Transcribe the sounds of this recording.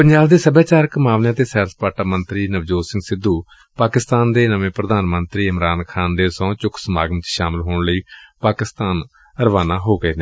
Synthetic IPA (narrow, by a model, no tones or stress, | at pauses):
pəɲd͡ʒaːbd̪eːsəbjaːt͡ʃaːɾkəmaːʋnjãːt̪eːsɛːɾspaːʈaːmənt̪ɾiːnəʋd͡ʒoːsɪ̃ŋɡsɪd̪uː | paːkɪst̪aːnd̪eːnəʋẽːpɾəd̪aːnmənt̪ɾiːɪmɾaːnkʰaːnd̪eːsɔ̃ːt͡ʃʊkʰsəmaːɡəmt͡ʃʃaːmɪlɦoːɳləiːpaːkɪst̪aːn | əɾəʋaːnaːɦoːɡəeːneː